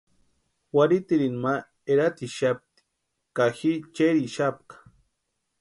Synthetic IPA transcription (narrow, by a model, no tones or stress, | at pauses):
waɾit̪iɾinma | eɾat̪iʃap̚t̪i̥ | kaxit͡ʃeɾiʃap̚kḁ